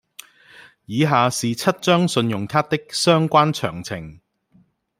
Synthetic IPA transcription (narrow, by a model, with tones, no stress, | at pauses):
jiː˨˧ɦaː˨siː˨t͡sʰɐ˥t̚t͡ʃœː˥ŋsɵ˧njʊ˨˩ŋt̪ʰaː˥t̪ɪ˥k̚sœː˥ŋkʷaː˥nt͡ʃʰœ̰ː˨˩ŋt͡sʰɪ̰˨˩ŋ